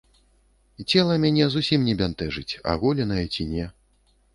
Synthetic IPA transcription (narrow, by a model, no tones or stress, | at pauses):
it͡sʲɛlˠɐmʲanʲɛzusʲimnʲɛbʲant̪ɛʐɨt͡sʲa̰ɣulʲɛnɐjɛt͡sʲinʲɛ